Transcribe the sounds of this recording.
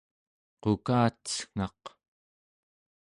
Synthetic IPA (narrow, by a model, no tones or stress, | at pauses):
qokaːt̪ə̥sŋ̥ɑ̰q